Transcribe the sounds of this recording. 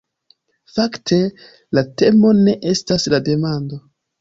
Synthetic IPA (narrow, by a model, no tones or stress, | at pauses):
faktʰe̞ | late̞mo̞ne̞ʔe̞staslade̞mando̞